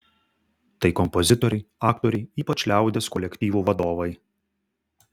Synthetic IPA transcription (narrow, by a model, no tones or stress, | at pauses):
t̪ɐɪkɔmpɔzʲɪt̪ɔɾʲɛɪɑːkt̪ɔɾʲɛɪiːpɐt͡ʃʲlʲæˑʊd̪ʲeskɔlʲɛkʲt̪ʲiːʋuːʋɐd̪oːʋɐɪ